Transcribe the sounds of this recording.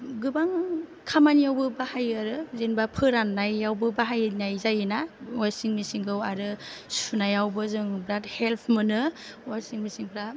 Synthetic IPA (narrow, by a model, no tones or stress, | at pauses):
ɡɯbaŋkʰamanijawbɯbahajaɾɯzenbapʰɯɾanːajːawbɯbaɦajnajzajɯnaasiŋmisiŋkʰɯwaɾɯsunajawbɯzɯŋbɾathelpʰmɯnɯasiŋmisiŋpʰɾa